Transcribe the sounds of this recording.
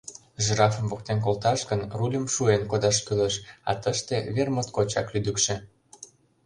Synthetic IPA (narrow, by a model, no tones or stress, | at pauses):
ʒrɑfə̆mvok̚t̪enk̬olt̪ɑʃɣənrulʲəmʃuenkod̪ɑʃkyleʃɑ̰t̪əʃt̪eβermət̪̚kot͡ɕɑklyd̪əkʃĕ